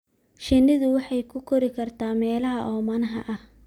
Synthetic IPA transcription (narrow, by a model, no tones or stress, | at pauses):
ʃɪnːɪðʊwɑħɑjkʰʊkʰɔɾɪkʰɐrt̪ʰaːmɛːlɐɦɐʔɔːmɐnɐɦɐ̰ʔɐh